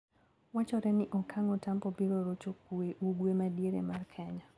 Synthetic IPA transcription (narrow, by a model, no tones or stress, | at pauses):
wat͡ʃɔɾɛnɪʔɔkʰaŋɔtampɔbiɾoɾot͡ʃok̚ueʔuɡwemadjeɾḛmarkʰɛɲa